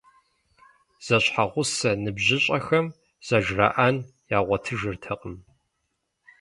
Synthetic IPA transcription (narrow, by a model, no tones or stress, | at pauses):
z̥ɐɕħaʁʷʊsɐnɨbʑɪɕʼɐxɐm | z̥ɐʒra̰ʔan | jaːʁʷɔtʰɨʒɨrtʰɐqʼəm